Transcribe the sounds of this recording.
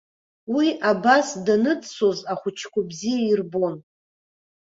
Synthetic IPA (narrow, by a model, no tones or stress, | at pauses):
wiabasdanɨdso̞zaχʷʊt͡ʃʰkʷʰabzijairbo̞n